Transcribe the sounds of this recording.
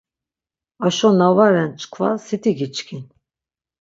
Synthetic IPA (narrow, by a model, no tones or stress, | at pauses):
aʃɔnavaɾɛnt͡ʃʰʼkʰva̰sit̪ʰiɡit͡ʃkʰin